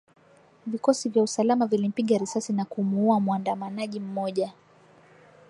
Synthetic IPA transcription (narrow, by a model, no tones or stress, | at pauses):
vikɔsivjausalamavilim̩piɠaɾisasinakumuuamuandamanaʄim̩mɔʄa